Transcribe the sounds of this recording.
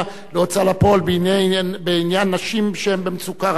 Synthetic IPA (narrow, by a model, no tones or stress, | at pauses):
lot͡salapolbinebeinjanːaʃimʃehembemt͡sukaʁ